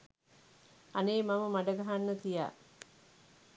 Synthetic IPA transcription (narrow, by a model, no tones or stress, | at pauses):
aneːmaməmaɖəɡaɦanːət̪ija̰ː